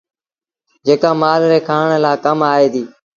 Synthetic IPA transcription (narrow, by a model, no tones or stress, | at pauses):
d͡ʒeːkaːmaːlɾeːkʰaːɳlaːkəmaːɦeːd̪iː